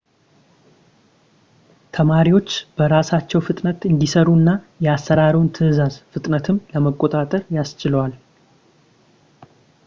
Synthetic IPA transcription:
t̪ʰəmaɾiwo̞t͡ʃːb̥əɾasat͡ʃːɛwfɨt̪ʼnət̪ɨnd̪isəɾuɨnːajɛasːəɾaɾiwnt̪ʰɨʔzazfɨt̪ʼnət̪ʰɨmləməkʼːot̪ʼat̪ʼəɾjast͡ʃɪləwal

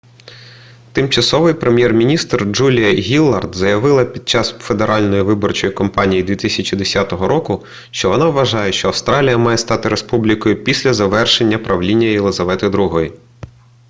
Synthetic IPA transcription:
t̪ɪmt͡ʃɐsɔʋɪjpɾemʲjɛrmʲinʲist̪rd͡ʒulʲijɐɦʲilˠːɐrd̪zɐjɐʋɪlˠɐpʲid̪̚t͡ʃɑsfe̞d̪eɾʔɑlʲnɔjiʋɪbɔrt͡ʃɔjikɔmpɑnʲijid̪ʲʋʲit̪ɪsʲɐt͡ʃid̪esʲat̪ɔɦɔɾʔɔkʊ | ʃt͡ʃɔʋɔnɑʋːɐʒɑjeʃt͡ʃɔɐwst̪ɾɑlʲijɐmɑjɛst̪ɑt̪ɪɾespublʲikɔjʊpʲisʲlʲɐzɐʋɛrʃenʲːɐpɾɐʋlʲinʲːɐjelˠɪzɐʋɛt̪ɪd̪ɾuɦɔji

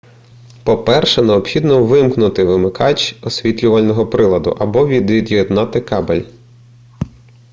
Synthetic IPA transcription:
pɔpɛrʃɛneɔpxʲid̪nɔʋɪmknʊt̪ɪʋɪmɪkʰɑt͡ʃɔsʲʋʲit̪ʲlʲʊʋɐlʲnɔɦɔpɾɪlˠɐd̪ʊ̰ʔɐbɔʋʲid̪ʋʲid̪jɔd̪nɑt̪ɪkɑbelʲ

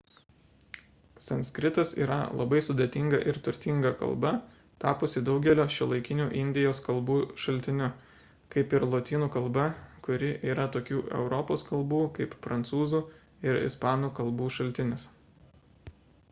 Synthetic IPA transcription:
sɐnsʲkɾʲɪt̪ɐsḭːɾɐ̰lˠɐ̰bɐɪsʊd̪ʲeːt̪ʲɪŋɡɐʔɪɾt̪ʊɾʲt̪ʲɪŋɡɐkɐ̰lˠbɐ | t̪ɑːpoːsʲɪd̪ɒʊɡʲɛlʲoːʃʲɪlˠɐɪkʲɪnʲuːʔɪnʲd̪ʲɪjoːskɐlˠbuːʃɐlʲt̪ʲɪnʲʊ | kɐɪpɪɾlˠoːt̪ʲiːnuːkɐlˠˑbɐkʊɾʲɪʔiːɾɐt̪oːkʲuːʔɛ̰ʊɾɔpoːskɐlˠbuːkɐɪpfɾɐnt̪suːzuː | ɪɾɪ̰spɑːnuːkɐlˠbuːʃɐlʲt̪ʲɪnʲɪs

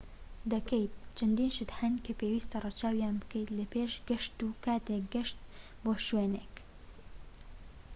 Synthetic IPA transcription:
d̪ɐkejt̪̚t͡ʃʰɐnd̪iːnʃɨt̪hɐnkəpeːwiːst̪ɐrɑt͡ʃaːwijaːnbɨkejt̪lɐpʰeːʃɡɐʃt̪ukaːt̪eːk̚ɡɐʃt̪̚ | boːʃweːneːk

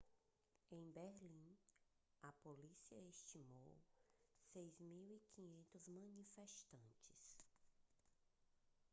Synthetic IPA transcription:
ẽj̃beɾlĩ | ɐpolisiɐest͡ʃimo̰wsejzmiwikʰĩɲẽnt̪ʊzmɐ̃nifɛʃt̪ɐ̃nt͡ʃɪ̥s

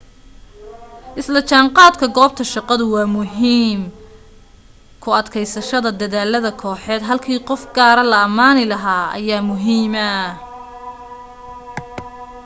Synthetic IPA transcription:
ʔɪslɐt͡ʃʰaːɴqɑːd̪kʰɐɡɔːb̚t̪ʰɐʃɑqɑðʊwɑːmʊɦiːm | kʰʊɐd̪kʰɛjsɐʃɐðɐd̪ɐðaːlɐðɐkʰɔːħɛːd̪ɦɐlkʰiːqɔfɡaːɾɐlɐɐmaːnɪlɐɦaːɐ̰jaːmʊɦiːmɐ

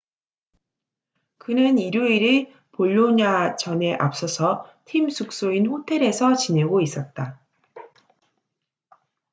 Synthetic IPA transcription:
kɯnɯniɾjuiɾe | poʎːoɲat͡ɕʌne̞ʔa̰p̚s͈ʌsʰʌtʰimsʰuk̚s͈oinɸotʰe̞ɾe̞sʰʌt͡ɕine̞ɡois͈ʌt̚t͈a

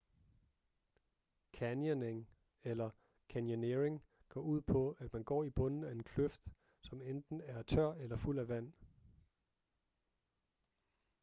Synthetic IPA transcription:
kʰænjoneŋ | elɐ | kʰænjone̝ʁe̝ŋ | ɡ̥ɒ̰ːuð̞̰ˠpʰɒ̽æd̥mænɡ̥ɒ̰ːib̥ɔ̽nn̩æe̝nkʰløfd̥ | sɒ̽mend̥n̩æɐt͡sʰɶɐ̰elɐful̰æʋæn̰

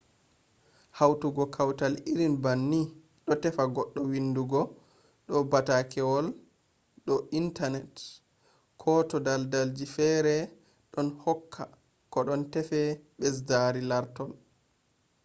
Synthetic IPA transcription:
hawtuɡɔkʰawtaliɾinbanːi | ɗɔtɛfaɡɔɗːɔwinduɡɔ | ɗɔbatakʰɛwɔl | ɗɔʔintanɛt | kʰɔtɔdaldald͡ʒifɛɾɛ | ɗɔnhɔkʰːa | kɔɗɔntɛfɛɓɛs̬daɾilaɾtɔl

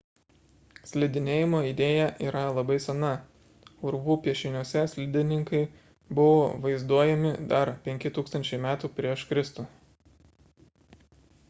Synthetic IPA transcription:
sʲlʲɪd̪ʲɪnʲeːjɪmoːid̪ʲeːjɛʔiːɾɐlˠɐbɐɪsʲɛnɐ | ʊɾʋuːpʲiɛʃʲɪnʲuɔsʲɛsʲlʲɪd̪ʲɪnʲɪŋkɐɪ | bʊʋoːʋɐɪzd̪uɔjɛmʲɪd̪ɐɾpʲɛŋʲkʲɪt̪uːkst̪ɐnʲt͡ʃʲɛɪmʲæːt̪uːpʲɾʲiɛʃkɾʲɪst̪u

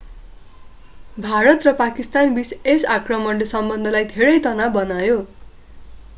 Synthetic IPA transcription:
bʱaɾʌt̪rʌpakist̪anbisesakrʌmʌnlʌsʌmbʌnd̪ʱʌlajd̪ʱeɾʌjt̪ʌnabʌnajo

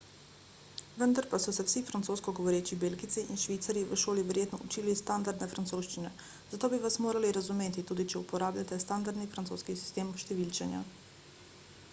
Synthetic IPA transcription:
ʋənd̪aɾpasɔsɛwsifɾant̪soːskɔɡɔʋɔɾeːt͡ʃibeːlɡit̪siʔinʃʋit̪saɾjiʋəʃoːliʋɛɾjeːt̪nɔut͡ʃiːlist̪and̪aɾd̪nɛfɾant̪soːʃt͡ʃinɛ̰ | zat̪oːbiʋasmoːɾaliɾazumeːt̪it̪uːd̪it͡ʃɛupɔɾaːblʎat̪ɛst̪and̪aɾd̪nifɾant̪so̰ːskisi̥st̪eːmʃt̪ɛʋilt͡ʃɛnja̰

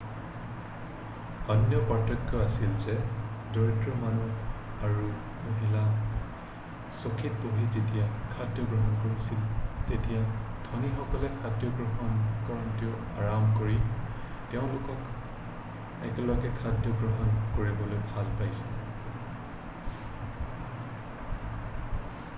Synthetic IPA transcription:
ɔnjɔpɔtɔkjɔasilzɛdoɹidɹɔmanu | aɹu | moɦila | sokʰit̚boɦizetijakʰadjɔɡɹɔɦɔnkoɹisiltetijad̥ʱonixɔkɔlɛkʰadjɔɡɹɔɦɔnkɔɹɔntiɔ | aɹamkoɹi | tɛʊ̃lʊkɔk | ɛ̰kɛlɔɡɛkʰadjɔɡɹɔɦɔnkoɹibɔlojbʱalpajsɛl

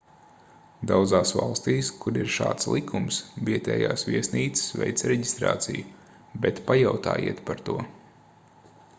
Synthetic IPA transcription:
d̪awd̪zaːsva̰lˠst̪iːskuɾiɾʃa̰ːt̪slˠikʰumsviɛt̪ɛ̰ːjaːsvʲiɛsniːt̪sɪ̥svʲɛ̰jt̪sɾɛɟist̪ɾa̰ːt̪siju | bɛt̪pajawt̪a̰ːjḭɛt̪paɾt̪uɔ

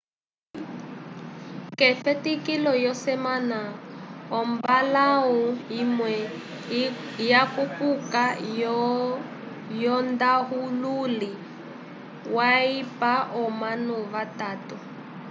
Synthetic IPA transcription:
kɛfɛtikilɔjɔsɛmanaɔmbalaɦuɦimwɛ | jakupʼuka | jɔndaɦululi | waipaʔɔmanɔβataːtɔ

